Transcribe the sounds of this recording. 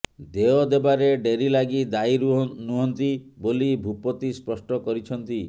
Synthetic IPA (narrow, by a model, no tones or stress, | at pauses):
d̪eɔd̪ebaɾeɖeɾilaɡid̪ajɾnuɦɔnt̪ibolibʱupɔt̪ispɔsʈɔkɔɾit͡ʃʰɔnt̪i